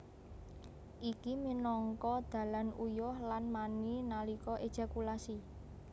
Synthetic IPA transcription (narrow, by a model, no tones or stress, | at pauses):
ʔikiminɔŋkɔd̪̥ä̤lanujʊhlanmaninalikɔʔed̥ʒ̥a̤kulasi